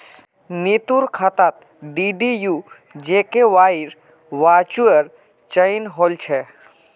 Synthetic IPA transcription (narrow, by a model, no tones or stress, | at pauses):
nit̪uɾkʰat̪at̪̚ | ɖiɖiju | d͡ʒekeʋaiɾ | ʋat͡ʃuəɾ | t͡ʃəinɦolt͡ʃʰɛ